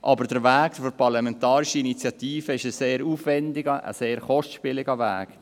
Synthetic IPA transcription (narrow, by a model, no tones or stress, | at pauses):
ʔɑbəɾd̥əɾʋæːkfɔɾpʰɑɾlɑmɛntɑːɾiʃiinit͡sjɑt̪iːfəɪʃəseːɾuːfʋɛndɪɡəʔə̰seːɾχɔstʃpɪlɪɡəʋæ̰ːɡ